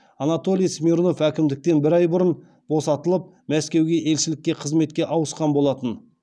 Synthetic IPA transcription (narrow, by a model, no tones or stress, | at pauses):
ɑnat̪o̞lʲˠijsmʲiɾno̞fækʲɪmd̪ɪk̚t̪e̞nbɪɾɑjbʊɾən | bo̞sɑt̪əlˠəp̚ | mæskʲe̞wɡʲe̞ʔe̞lʃɪlɪkʲːe̞qʰəzme̞t̪̚kʲe̞ʔɑwəsqɑnbo̞lˠɑt̪ən